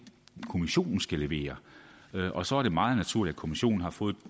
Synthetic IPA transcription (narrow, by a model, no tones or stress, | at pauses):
kʰo̝miɕo̝̰ːnn̩sɡ̥æleʋe̝̰ːɐ | ʔɒ̽sɒ̽æɐɾ̥e̝mɑ̈ːð̞̩ˠnæt͡sʰuɐlidæ̥kʰo̝miɕo̝̰ːn̩hɑ̈fɔ̽ːð̩ˠ